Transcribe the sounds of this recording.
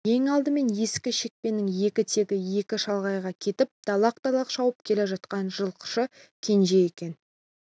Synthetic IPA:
je̞ŋɑlˠd̪əme̞nje̞skʲɪʃe̞k̚pe̞nːɪŋje̞kʲɪt̪ʰe̞ɡʲɪje̞kʲɪʃɑlˠʁɑjʁɑkʲʰe̞t̪ɪp̚d̪̥ɑlˠɑq̚t̪ɑlˠɑqʃɑwəp̚kʲʰe̞le̞ʒɑt̪̚qɑnʒəlˠqʰə̥ʃə | kʲʰe̞nʒe̞je̞kʲe̞n

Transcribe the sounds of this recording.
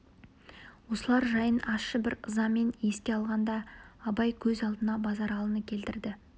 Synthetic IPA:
wo̞səlˠɑɾʒɑjənɑsʃəbɪɾəzɑme̞ne̞skʲe̞ɑlˠʁɑnd̪ɑːbɑjkʲʰɵzɑlˠd̪ənɑbɑzɑɾɑlˠənəkʲʰe̞lt̪ɪɾd̪ɪ

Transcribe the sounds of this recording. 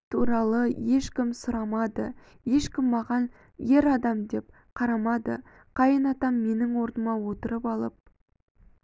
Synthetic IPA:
t̪ʰuɾɑlˠəjeʃkʲɪmsʊɾɑmɑd̪ə | je̞ʃkʲɪmːɑʁɑn | je̞ɾɑd̪ɑmd̪e̞p̚ | qʰɑɾɑmɑd̪ə̰ | qʰɑjənɑt̪ɑmːe̞nɪŋwo̞ɾnəmɑwo̞t̪əɾəpɑlˠəp̚

